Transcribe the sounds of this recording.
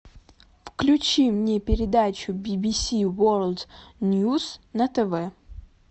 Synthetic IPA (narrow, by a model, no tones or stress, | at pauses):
fklʲʉt͡ɕimnʲepʲɪɾʲɪd̪at͡ɕʊbʲɪbʲisʲiworlˠd̪nʲjusnət̪ɛvɛ